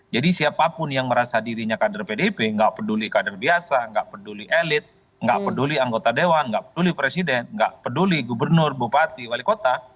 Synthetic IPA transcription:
d͡ʒadisiapapʊnjaŋməɾasadiɾiɲakadarpedepeŋɡaʔpədulikadarbiasaŋɡaʔpəduliʔelɪt̪̚ | ŋɡaʔpəduliaŋɡot̪adewanŋɡaʔpədulipɾesidɛnŋɡaʔpəduliɡubərnʊrbupat̪iwalikot̪a

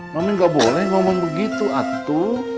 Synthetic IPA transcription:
mamiŋɡaʔbolɛhmamaŋbəɡit̪uʔat̪u

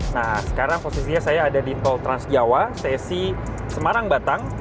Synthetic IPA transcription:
nasə̥kaɾaŋposisiɲasajaːdadit̪ɔlt̪ɾansd͡ʒawasɛsi | səmaɾaŋbat̪aŋ

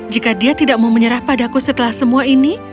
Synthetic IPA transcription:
d͡ʒikadiat̪idaʔ̚mauməɲəɾahpadakusət̪əlahsəmuaini

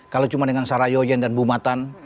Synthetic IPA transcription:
kalat͡ʃumadəŋansaɾajɔjandanbumat̪an

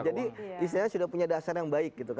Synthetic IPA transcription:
d͡ʒadiis̬t̪iɲasudahpuɲadasarjaŋbaɪk̚ɡit̪uk

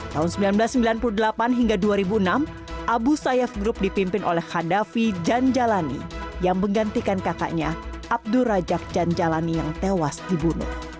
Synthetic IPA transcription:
t̪aɦunsəmbilanbəlasːəmbilanpuludəlapanɦiŋɡaduaɾibuənam | ʔabusajɛfɡɾʊp̚dipimpɪnʔolɛhhadafid͡ʒand͡ʒalanḭjaŋməŋɡant̪ikankaka̰ʔɲaʔab̚duɾad͡ʒak̚d͡ʒand͡ʒalanijaŋt̪ewasdibunʊ̰h

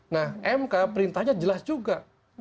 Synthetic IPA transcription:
nahʔɛmkapəɾint̪aɲad͡ʒəlasd͡ʒuɡaʔ

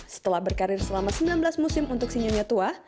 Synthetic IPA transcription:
sə̥t̪əlahbərkaɾɪrsəlamasəmbilanbəlasmusɪmunt̪ʊksiɲaɲat̪ua

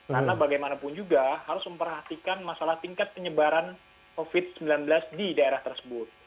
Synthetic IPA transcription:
karnabaɡajmanapʊnd͡ʒuɡahaɾʊsməmpərɦat̪ikanmasalaht̪iŋkat̪̚pəɲəbaɾan | kofɪd̪̚səmbilanbəlasdidaeɾaht̪ərsəbʊt̪̚

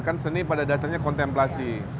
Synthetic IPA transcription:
kansənipadadaasaɲakɔnt̪ɛmplasi

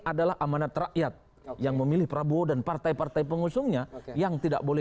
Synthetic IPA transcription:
ʔadalahʔamanat̪raʔjat̪̚ | jaŋməmilɪhpəɾabuodanpart̪ajpart̪ajpəŋusʊŋɲajaŋt̪ida̰ʔ̚bolɛ

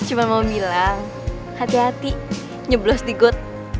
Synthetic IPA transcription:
t͡ʃumanmaumbilaŋ | hat̪iɦat̪i | ɲəblɔsdiɡʊt̪̚

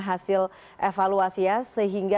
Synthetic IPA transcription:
ɦasɪl | ʔefaluasiasəɦiŋɡa

